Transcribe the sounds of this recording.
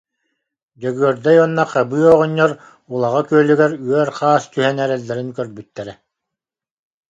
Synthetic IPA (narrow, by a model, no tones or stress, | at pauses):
d͡ʑœɡyœɾd̪ɛjɔnːaqabɯːɔʁɔɲːɔɾ | ulˠaʁakyœlyɡɛɾyœɾχaːst̪yɦɛnɛɾɛlːɛɾinkœɾbyt̪ːɛɾɛ